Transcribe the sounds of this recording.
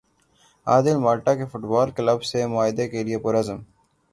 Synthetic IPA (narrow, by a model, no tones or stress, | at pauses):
a̰ːd̪ɪlmaːlʈakefʊʈbaːlkləbsemʊaːɦɪd̪ekeliepʊɾɐzəm